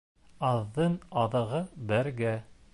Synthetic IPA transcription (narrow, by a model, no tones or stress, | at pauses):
ɑðːɤnɑðɤ̆ʁɤbæɾɡæ